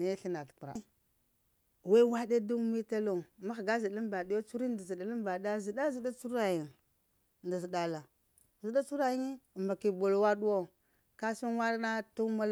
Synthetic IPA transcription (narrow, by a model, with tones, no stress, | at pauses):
ni˨˦ɬi˦na˨tku˨ɾa̰˨˦ | we˦wa˦ɗe˦du˦m˦i˦ta˦lo˨ma˦xɡa˦zi˨i˦m˦ba˨di˦jo˦t͡su˦ɾi˦ndi˨zi˨da˨li˦m˦ba˨da˦zi˨da˦zi˨da˦t͡su˦ɾa˨ji˨n | nda˨zi˨da˨la˨ | zi˨da˦t͡su˦ɾa˨ji˦ŋi˦˨ma˨ki˨bo˨lwa˦ɗu˦wo˦ | ka˦su˦nwa˦dna˦tu˦ma˦l